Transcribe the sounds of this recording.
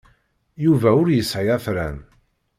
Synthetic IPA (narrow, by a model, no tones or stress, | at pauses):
juvæʊɾjəsːʕiæθɾæn